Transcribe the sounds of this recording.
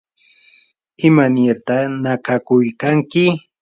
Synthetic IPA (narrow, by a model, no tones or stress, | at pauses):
ɪmaneɾt̪anakakʊjkaŋkɪ